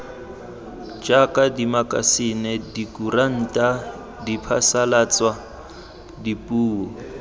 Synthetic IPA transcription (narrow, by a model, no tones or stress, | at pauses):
d͡ʒakʼadimakʼa̰sɪnɛdikuran̩tʼa | dipʰasalat͡swa | dipʼuːɔ